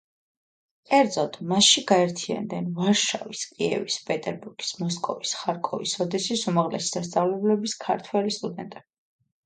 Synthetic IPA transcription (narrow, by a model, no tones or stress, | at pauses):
kʼɛɾd̪zɔd̪̥ʼmasʃiɡaɛɾt̪ʰia̰nd̪ɛnvaɾʃa̰viskʼiɛ̰vispʼɛt̪ʼɛɾbuɾɡi̥smɔskʼɔvisχaɾkʼɔvisɔd̪ɛsisumaʁlɛ̰si̥sast̪sʼavlɛblɛbiskʰaɾt̪ʰwɛlist̪ʼud̪ɛnt̪ʼɛbi